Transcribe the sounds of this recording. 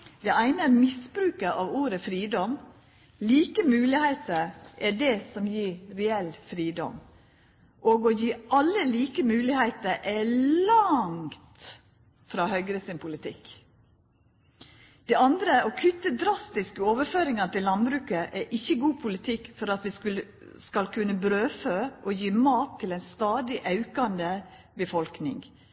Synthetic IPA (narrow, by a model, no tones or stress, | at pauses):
d̪̥ɛæɪnəæɾmɪsbɾʉːkəʔɑʋuːɾəfɾiːd̪ɔm | liːkəmʉːlɪheɪt̪əɾʔɛɖɛsɔmjiːɾɛɛlfɾiːd̪ɔ̰m | ʔoːɡojiːʔɑlːəliːkəmʉːlɪhæɪt̪əɾʔɛlɑŋt̪ | fɾɑːhœʏɡɾəsɪnpʰʊlɪt̪ʰɪ̰k | d̪̥ɛɑnd̪ɾəokʰʏt̪ːəd̪ɾɑst̪ɪskəoːʋəføːɾɪŋɑnt̪ɪllɑnbɾʉːkəʔɛʔɪçːəɡuːpʰʊlɪt̪ʰɪkːfɔɾɑt̪ʋɪskʉlə | skɑlkʰʉnːəbɾøːføʔɔjiːmɑːt̪ʰːɪlæɪnst̪ɑːd̪ɪʔɑʉkɑnd̪ə | bəfɔlknɪ̰ŋ